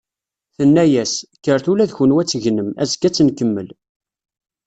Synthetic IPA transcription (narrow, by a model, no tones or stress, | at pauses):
θənːæjæsçəɾθulæðçənwæt͡sːəʝnəmæ̰zɡæt͡sːənkəmːəl